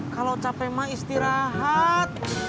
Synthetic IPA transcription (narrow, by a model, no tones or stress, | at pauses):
kalawt͡ʃapɛmaist̪iɾaɦat̪̚